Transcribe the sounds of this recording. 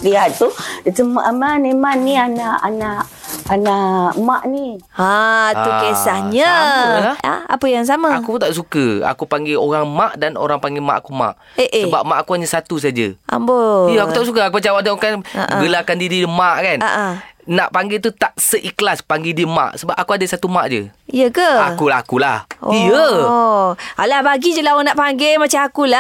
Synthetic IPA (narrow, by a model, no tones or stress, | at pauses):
piat̪utəmʔamamemãnːianaʔanaʔanaʔmaʔniat̪ukesahɲəalaa̰a̰pəjaŋs̬amaakut̪aʔsukəa̰kupaŋɡeoɾaŋmaʔdano̰ɾaŋpaŋɡema̰ʔakuma̰ʔ | eʔsəbap̚maʔakuhaɲasat̪us̬ad͡ʒə̰ʔa̰mbojəakut̪aʔsukəakupət͡ʃawadakanaɡəlakandididəmaʔkanaʔanaʔpaŋɡet̪̬ut̪aʔsəʔiklaspaŋɡedimã̰ʔsəbap̚akuadəsat̪umaʔd͡ʒə̰ijəkəakulaakulahijəoalabaɡid͡ʒəlawonaʔpaŋɡemat͡ʃaakula